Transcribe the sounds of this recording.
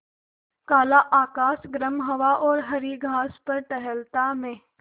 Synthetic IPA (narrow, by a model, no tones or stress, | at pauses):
kaːlaʔaːkaːsɡɾəmɦɐʋaʔɔːɾɦɐɾiɡʱaːspɐɾʈɛɦəlt̪amẽː